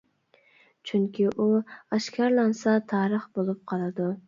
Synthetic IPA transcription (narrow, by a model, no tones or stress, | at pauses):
t͡ʃʰyŋkʲʰiʔuɑʃkʰʲɑɾlˠɑnsɑt̪ʰɑːɾəχbolˠup̚qʰɑlˠɨd̪u